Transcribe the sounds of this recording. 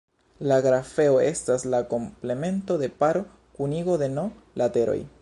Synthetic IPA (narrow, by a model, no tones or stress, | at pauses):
laɡɾafe̞oestaslako̞mple̞me̞nto̞de̞paɾo̞ | kuniɡo̞de̞no̞ | late̞ɾo̰j